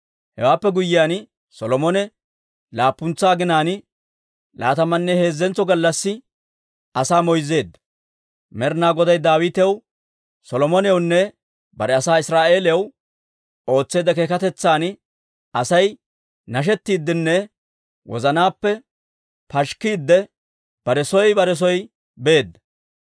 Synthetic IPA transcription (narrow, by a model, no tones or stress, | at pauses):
hɛwaːpːɛɡʊjːɪjaːn | sɔlɔmɔnɛ | laːpːʊnt͡saːɡɪnaːn | la̰ːt̪ɐmɐnːɛhe̞ːzːɛnt͡sːɔɡɐlːɐsːɪ | ɐsaːmɔjze̞ːd̪ːɐ̥ | mɛɾnaːɡɔd̪ɐjd̪aːwit̪ɛw | sɔlɔmɔnɛwnːɛ | bɐɾɛɐsaːɪsɾaːʔe̞ːlɛɛw | o̞ːt͡sːeːd̪ɐkeːkɐt̪ɛt͡sːaːn | ɐsɐj | nɐʃ̬ɛt̪ːiːd̪ːɪnːɛ | wɔ̰zɐnaːpːɛ | pɐʃkːiːd̪ːɛ | b̥ɐɾɛsɔjbɐɾɛs̬ɔj | be̞ːd̪ːɐ̥